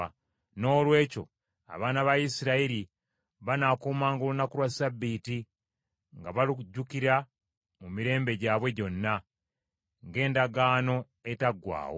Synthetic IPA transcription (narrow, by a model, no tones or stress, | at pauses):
no̞ːlwe̞ːco̞̰ | a̰βaːnaβajisiɾaiɾi | βanaːkuːmaːŋɡolunakuɾwasabːiːti | ŋɡaβaliɟːukiɾa | mumiɾe̞ːmbe̞ɟaːβwe̞ɟo̞nːa | ŋɡe̞ːndaɡaːno̞ | etaɡwa̰ːwo